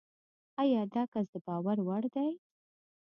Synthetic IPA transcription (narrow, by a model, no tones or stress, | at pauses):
ajɑd̪ɑkas̬d̪əbɑwaɾwaɽd̪aj